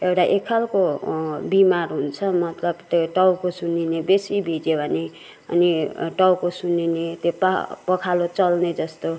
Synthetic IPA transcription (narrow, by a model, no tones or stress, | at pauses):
ewʈaʔekʰːalkobimarɦunt͡sʰʌmʌt̪lʌbt̪oʈʌwkosuninebesibʱid͡zebʱʌne | ʌ̰niʈʌwkosuninet̪joppʌkʰalot͡sʌlned͡zʌst̪o